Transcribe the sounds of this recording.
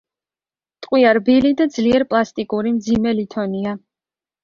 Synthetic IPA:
t̪ʼqʼwiaɾbilid̪ad̪zliɛɾpʼlˠast̪ʼikʼuɾimd̪zimɛlit̪ʰɔnia

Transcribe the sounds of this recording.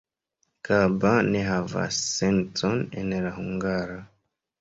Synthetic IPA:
kabaneɦava̰sːensonḛnlahuŋɡaɾa

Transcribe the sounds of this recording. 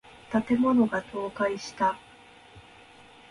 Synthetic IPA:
t̪at̪e̞mo̞no̞ɡat̪o̞ːkaiɕi̥t̪a

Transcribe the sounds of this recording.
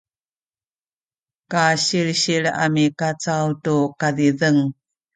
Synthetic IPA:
kaɕiɾɕiɭa̰mikat͡sawtukaðiðəŋ

